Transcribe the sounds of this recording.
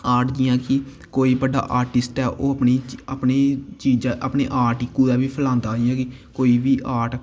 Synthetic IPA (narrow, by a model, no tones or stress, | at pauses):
aːɾʈd͡ʒɪjãːkɪ | koːiːbəɖa̰ːʔaːɾʈɪsʈɛːʔoːəpniːapneːt͡ʃiːd͡ʒãʔapneːʔaːɾʈɪkːuːd̪aːbiːpʰəlãːnd̪aːd͡ʒɪjãːkɪkoːiːbiːʔaːʈ